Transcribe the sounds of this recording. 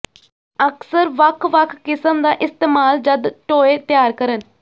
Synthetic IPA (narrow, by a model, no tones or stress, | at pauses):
əksəɾʋəkʰʋəkʰːɪsəmd̪aːʔɪst̪eːmaːld͡ʒəd̪ʈoːeːt̪ɪjaːɾkəɾən